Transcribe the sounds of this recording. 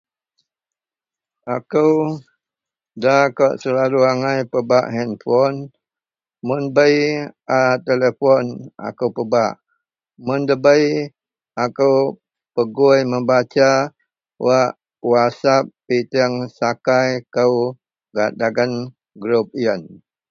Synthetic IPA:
akəw | dakɔʔsəlaluaŋajpəbaʔɦɛnfɔn | munbəjʔat̪elefɔnʔa̰kəwpəbaʔ | mʊndəbəj | akəw | pəɡujməmbat͡ʃa | waʔ | wasap̚ːit̪iəŋsakajkəw | ɡaʔdaɡən | ɡɾup̚iən

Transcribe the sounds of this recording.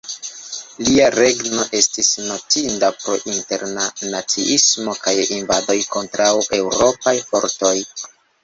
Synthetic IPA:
liaɾe̞ɡno̞ʔe̞stisno̞tindapɾo̞̰ʔinte̞ɾnanat͡siʔismo̞kajinvado̞jko̞ntɾawe̞wɾo̞pajfo̞̰ɾto̞j

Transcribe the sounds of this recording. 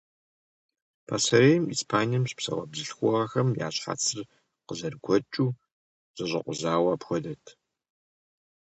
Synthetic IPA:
pʰaːsɐɾeːjmiːspʰaːnijɐmɕpsɐ̰wɐ̰bzɨɬxʷɔʁɐxɐmja̰ːɕħa̰ːt͡sʰɨr | qəzɐrɡʷʰɔt͡ʃʼuː | z̥ɐɕʼɐ̰qʷʊzaːwɐːpxʷɔdɐtʰ

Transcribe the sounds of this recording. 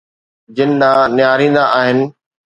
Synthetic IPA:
d͡ʑɪnɪɗãːnɪjaːɾĩːn̆d̪aʔaːɦɪnɪ̆

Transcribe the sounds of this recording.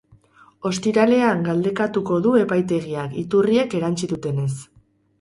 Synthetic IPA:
o̞st̪iɾale̞aŋɡald̪e̞kat̪uko̞ðue̞pajt̪e̞ɣ̞iakit̪urie̞ke̞ɾant͡ʃiðut̪e̞ne̞s

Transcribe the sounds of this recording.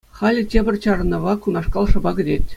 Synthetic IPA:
χɑlʲɘ̆tʲebʲɘ̆rʲt͡ɕɑr̆nɤ̆ʋɑkunɑʂkɑlˠʂɤ̆bɑɡɘ̆dʲetʲ

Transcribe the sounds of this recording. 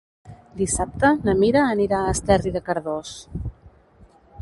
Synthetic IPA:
d̪isap̚t̪ənəmiɾəːniɾaəst̪ɛriðəkəɾðos

